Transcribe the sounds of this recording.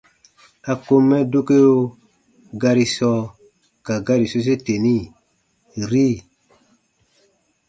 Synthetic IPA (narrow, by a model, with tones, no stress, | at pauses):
a˨ko˦mːɛ˦do˦ke˦o˦ | ɡa˧ɾi˨sɔ˧˦ | ka˨ɡa˦ɾi˨so˦s̬e˦te˨ni˦ | ɾi˦˨